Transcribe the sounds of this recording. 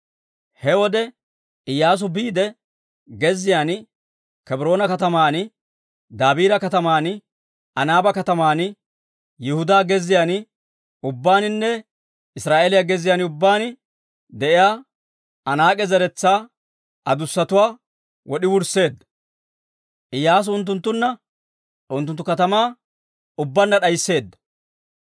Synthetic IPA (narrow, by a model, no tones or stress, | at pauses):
hɛwɔd̪ɛ | ɪjːaːs̬ʊbiːd̪ɛ | ɡɛzːɪjaːn | kɛbɾoːnɐkɐt̪ɐmaːn | d̪aːbiːɾɐkɐt̪ɐmaːn | ɐnaːbɐkɐt̪ɐmaːn | jɪhʊd̪aːɡɛzɪjaːn | ʊbːaːnɪnːɛ | ɪsɾaːʔeːlɪjaɡɛzɪjaːnʊbːaːn | d̪ɛʔɪjaː | ɐnaːkʼɛzɐɾɛt͡sːaː | ʔɐd̪ʊsːɐt̪ʊwaː | wɔɗɪwʊɾse̞ːd̪ːɐ̥ | ʔɪjaːs̬ʊnt̪ːʊnt̪ːʊnːɐ | ʔʊnt̪ːʊnt̪ːʊkɐt̪ɐmaː | ʊbːɐnːɐɗɐjsːe̞ːd̪ːɐ̥